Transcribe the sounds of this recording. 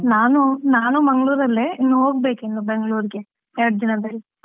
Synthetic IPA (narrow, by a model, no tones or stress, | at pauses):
naːnunaːnumɐŋɡɐɭuːɾɐlːeinːuɦoːɡbe̞ːkenːubeŋɡɭuːɾiɡe | eɽd͡ʒɐnɐb̪ɐli